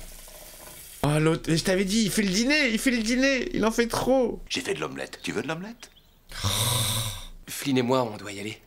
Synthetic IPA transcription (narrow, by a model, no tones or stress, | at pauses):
alot̪χeʒət̪avɛd̪iːlfɛləd̪ineilfɛləd̪ineḭlɑ̃fɛt̪χoʒ̥efɛd̪lɔ̰mlɛ̰t̪ːyvød̪lɔmlɛt̪ | flinemwaɔ̃d̪wajale